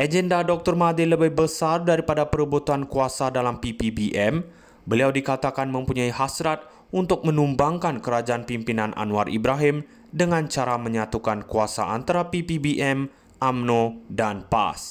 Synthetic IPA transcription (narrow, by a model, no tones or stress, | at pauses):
ʔad͡ʒɛndadɔk̚t̪ɔrmadɪləbɪhbəsardaɾipadapəɾəbut̪uankuasadalampipibiʔɛm | bəliawdikat̪akanmə̃mpuɲaihasɾat̪̚ | unt̪ʊk̚mə̃numbaŋkankəɾad͡ʒaʔanpimpinanʔa̰nuarʔḭbɾaɦɪm | dəŋãnt͡ʃaɾamə̃ɲat̪ukankuasa̰ʔa̰nt̪aɾapipibiʔɛm | ʔamnodanpa̰s